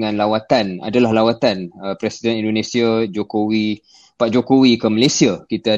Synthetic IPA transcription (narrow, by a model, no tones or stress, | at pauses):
ŋãnlawat̪ana̰dalahlawat̪anəpɾɛsidɛnĩndonesiad͡ʒokowi | paʔd͡ʒokowikəmalesiakit̪a